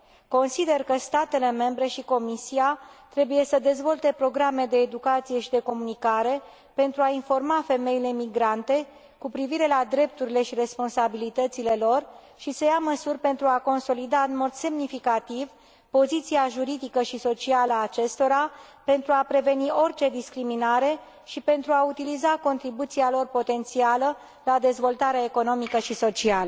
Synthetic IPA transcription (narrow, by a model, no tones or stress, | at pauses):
ko̞nsid̪e̞rkəst̪at̪e̞le̞me̞mbɾe̞ʃiko̞misiat̪ɾe̞buje̞səd̪e̞zvo̞lt̪e̞pɾo̞ɡɾame̞d̪e̞ːd̪ukat̪sije̞ʃid̪e̞ko̞munikaɾe̞ | pe̞nt̪ɾuainfo̞rmafe̞me̞ile̞miɡɾant̪e̞ | kupɾiviɾe̞lad̪ɾe̞p̚t̪uɾile̞ʃiɾe̞spo̞nsabilit̪ət̪sile̞lo̞r | ʃisəjaməsurʲpe̞nt̪ɾuako̞nso̞lid̪aɨnmo̞d̪se̞mnifikat̪iv | po̞zit̪siaʒuɾid̪ikəʃiso̞t͡ʃialəaːt͡ʃe̞st̪o̞ɾape̞nt̪ɾuapɾe̞ve̞nio̞rt͡ʃe̞d̪iskɾiminaɾe̞ | ʃipe̞nt̪ɾuaut̪ilizako̞nt̪ɾibut̪sialo̞rpo̞t̪e̞nt̪sialə | lad̪e̞zvo̞lt̪aɾeae̞ko̞no̞mikəʃiso̞t͡ʃialə